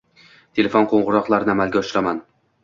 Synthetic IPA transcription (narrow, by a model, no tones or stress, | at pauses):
t̪ʰe̞lʲe̞fonqʰoɴʁʊɾɒqlˠaɾnɪamalɡʲaʊʃɪɾaman